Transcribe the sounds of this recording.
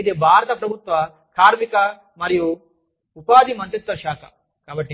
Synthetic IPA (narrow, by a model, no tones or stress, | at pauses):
id̪ebʱaːɾɐt̪ɐpɾɐbʱut̪ʋɐ | kʰaːɾmikɐ | mɐɾiju | upaːd̪imɐnt̪ɾit̪ʋɐʃaːkʰɐ | kaːbɐʈːi